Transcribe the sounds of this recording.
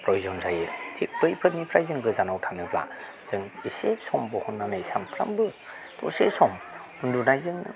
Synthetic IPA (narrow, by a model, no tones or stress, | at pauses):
pʰɾɔizɔnzajɯtʰik̚bɯjpʰɯt̚nipʰɾajzɯŋɡɯzanawtʰanɯpʰla̰ | z̥ɯŋisesɔmbɔhɔnːanɯjsampʰɾa̰mbɯ | tɔ̰sesɔm | ɯndunajzɯŋɯ